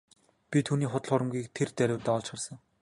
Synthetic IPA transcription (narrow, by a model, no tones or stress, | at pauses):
pʲit̪ʰuːniːχʊt̪ə̆ɮχʊɾə̆mɡʲiːk̚t̪ʰert͡s̪æɾʲʊ̆wt̪æːɔɮt͡ɕχə̆rsə̆ŋ